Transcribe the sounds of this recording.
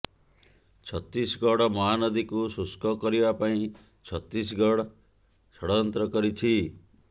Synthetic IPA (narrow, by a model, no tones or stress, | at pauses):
t͡ʃʰɔt̪isɡɔɽɔmɔɦanɔd̪ikususkɔkɔɾibapaĩ | t͡ʃʰɔt̪ɾis̬ɡɔɽɔ | sɔɽɔɔnt̪ɾɔkɔɾit͡ʃʰi